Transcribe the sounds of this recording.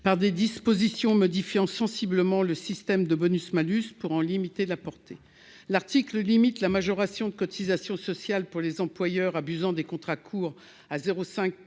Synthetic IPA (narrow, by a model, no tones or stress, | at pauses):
paʁd̪ed̪ispozisjɔ̃mɔd̪ifjɑ̃sɑ̃sibləmɑ̃ləsist̪ɛmd̪əbɔnysmalyspuʁɑ̃limit̪elapɔʁt̪e | laʁt̪ikləlimit̪lamaʒɔʁasjɔ̃d̪əkɔt̪ʰizasjɔ̃sɔsjalpuʁlezɑ̃plwajœʁabyzɑ̃d̪ekɔ̃t̪χakʰuːʁ | azeʁosɛ̃k̚